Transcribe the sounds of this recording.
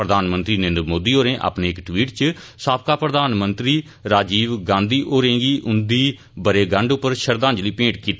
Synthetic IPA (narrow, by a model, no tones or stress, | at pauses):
ɾəd̪ʱaːnmə̃nt̪ɾiːnẽːnd̪ɾmoːd̪iːoːɾẽːʔa̰ːpneːɪkʈʋiːʈt͡ʃəsaːp̚kaːpɾəd̪aːnmənt̪ɾiː | ɾaːd͡ʒiːʋɡãːnd̪iːʔoːɾẽːɡiːʔʊnd̪iː | bəɾeːɡə̃ɳɖʊpːəɾʃəɾd̪ãːɲd͡ʒliːpẽːʈkiːt̪